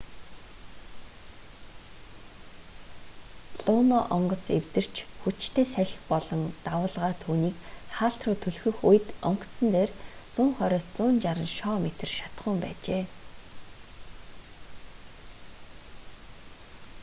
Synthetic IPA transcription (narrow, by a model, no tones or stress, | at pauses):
pɮʊːnɔʔɔɴɢɞ̆t͡sewt̪ɘ̆r̥t͡ɕʰxut͡ɕt̪ʰeːsæɮʲɪ̆xpɔɮɞ̆nt̪awʊːɮʁaːt̪ʰuːniːkχaːɬt̪rʊːt̪ʰɵɮxɵ̆xuj̆t̪ɔ̰ŋk̪sə̆nt̪eːrt͡sʊːɴχœɾʲɔːst͡sʊːnt͡ɕaɾə̆nʃɔːmet̪ɘ̆rʃḁt̪χʊːmpæ̰ːt͡ɕeː